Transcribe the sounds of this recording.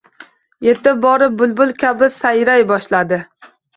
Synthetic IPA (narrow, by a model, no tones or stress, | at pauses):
jet̪ɪp̚bɒɾɪp̚bʊlˠbʊlˠkʲʰabɪsajɾajbɒʃlad̪ɪ